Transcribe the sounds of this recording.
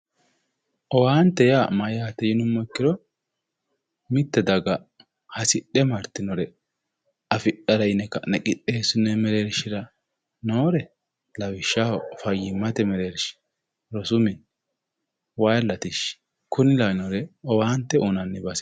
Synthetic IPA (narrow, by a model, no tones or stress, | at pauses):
ʔɔwaːnt̪ːɛjamɐjjat̪ːɛjɪnʊmːɔkːɪɾɔ | mɪt̪ːɛd̪ɐɡɐ | hɐsɪɗːɛmɐɾt̪ɪnɔɾɛ | ɐfɪɗɐɾɐɪnɛkːɐnɛkʼɪɗːeːsʊnɛmɛɾeɾʃɪɾɐ | noːɾɛ | lɐwɪʃːahɔfɐjːɪmːɐt̪ɛmɛɾeɾʃɪ̥ | ɾɔsʊmɪn | wɐjlːɐt̪ɪʃ | kʰʊnɪlɐnɔɾɛɔwaːnt̪ːɛʔʊnɐnːɪbɐsɛ̥